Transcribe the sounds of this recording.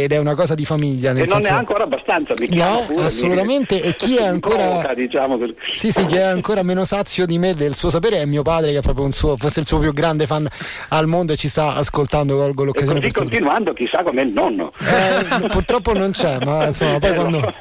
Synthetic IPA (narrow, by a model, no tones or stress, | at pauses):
ed̪ɛunakɔːzad̪ifamiʎːaneenːnɛaŋkoːɾaːbːast̪ant̪samikːnɔasːolut̪ament̪eʔekːiɛaŋkoːɾaad̪it͡ʃamoesisikːiɛaŋkoːɾameːnosat̪sːjod̪imed̪elsuːos̬apeːɾeɛmːiopaːd̪ɾekeɛpːɾɔːpɾjounsuːoforseilsuːop̬juɡɾand̪efanː | almond̪oet͡ʃːist̪aa̰skolt̪and̪okɔlɡolokkazjoːnet̪eiɾskːont̪inuand̪ok̟isːakːomɛilnɔnːo̰ | purt̪ɾɔpːonont͡ʃɛmːainsomːap̬ɔjkwand̪o